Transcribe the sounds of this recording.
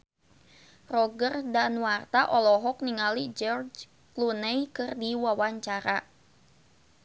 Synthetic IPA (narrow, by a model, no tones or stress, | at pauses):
rɔɡərdanwart̪aʔɔlɔɦɔk̚niŋalid͡ʒɔrd͡ʒ | klunɛjkɨrdiwawaɲt͡ʃaɾa